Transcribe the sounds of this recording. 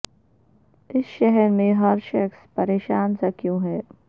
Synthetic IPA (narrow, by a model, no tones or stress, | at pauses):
ɪsʃɛɦɛɾmẽɦɐɾʃɐkspɐɾeːʃaːnsɐkjõːɦɛː